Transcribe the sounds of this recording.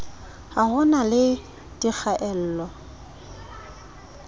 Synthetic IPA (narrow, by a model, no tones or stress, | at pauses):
hahʊnalɪ | dʼik͡xʰaʔɛl̩ːlɔ